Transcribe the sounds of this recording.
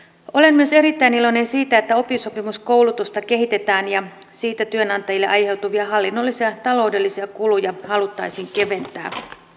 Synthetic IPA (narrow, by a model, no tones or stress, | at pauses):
o̞le̞nmyøse̞ɾit̪ːæinilo̞ine̞nsiːt̪æet̪ːæo̞piso̞pimusko̞wlut̪ust̪ɑke̞ɦit̪e̞t̪æːnjɑ | siːt̪æt̪yønɑnt̪ɑjilːeʔɑjhe̞wt̪uʋiɑɦɑlːinːo̞lːisiɑt̪ɑlo̞wde̞lːisiɑkulujɑhɑlut̪ːɑjsiːŋke̞ʋe̞nt̪æ̰ː